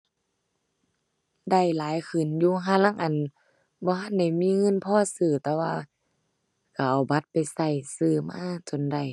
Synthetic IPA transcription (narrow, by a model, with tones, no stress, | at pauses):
da˧˩jlaː˨˦jkʰɯ˨˩˨njuː˧ɦʰa˧˨la˧˥˨ŋʔa˨n | bɔː˧˦ɦa˧˥˨nda˧˩jmiː˧˥˨ŋɤ˧˥˨npʰɔː˧˥˨sɯː˧˩t̪ɛː˧waː˧ | ka˨˧˩ʔa˨˩wba˧˦t̪̚pa˨jsa˧˩jsɯː˧˩maː˧˥˨t͡ɕo˨˧˨nda˧˩j